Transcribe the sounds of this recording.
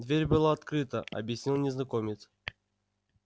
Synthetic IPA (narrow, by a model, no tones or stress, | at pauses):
d̪vʲeɾʲbɨlˠaːt̪kɾɨt̪əʔɐ̰bʲjɪsʲnʲilˠnʲɪznɐkomʲɪt̪s